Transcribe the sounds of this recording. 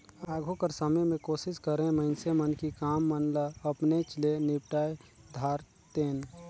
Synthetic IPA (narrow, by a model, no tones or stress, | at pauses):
aːɡʱõkəɾsəməmẽkoːʃɪskəɾẽməɪnsemənkikaːmːənləɐpnet͡ʃlenɪpʈaːjd̪ʱaːɾ | t̪eːn